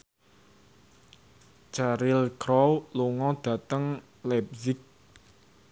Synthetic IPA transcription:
t͡ʃaɾilkʰɾɔwloŋɔd̪̥ä̤t̪əŋ | lɛp̚zik̚

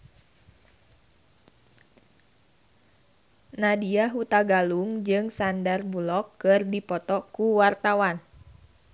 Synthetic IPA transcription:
nadiaɦut̪aɡaluŋd͡ʒɨŋsandarbulɔkːɨrdipɔt̪ɔkuwart̪awan

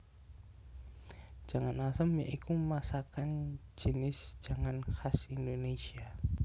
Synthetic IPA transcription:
d͡ʒ̥a̤ŋanasəmjaʔikumasakand͡ʒ̥ənɪsd͡ʒ̥aŋanxasindonesia

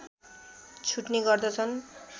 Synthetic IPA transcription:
t͡ɕʰuʈniɡɔɾd̪ɔt͡sʰɔn

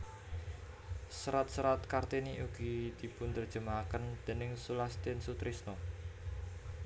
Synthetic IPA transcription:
sɾat̪̚səɾat̪̚kart̪iniʔuɡ̥id̪ipʊnt̪ərd̥ʒ̥ə̤makənd̪̥e̤nɪŋsulast̪ɪnsut̪ɾisnɔ

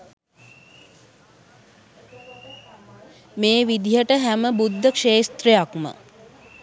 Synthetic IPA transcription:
meːʋid̪iɦəʈəɦæməbud̪ʱːəkʂeːst̪rejakmə̰

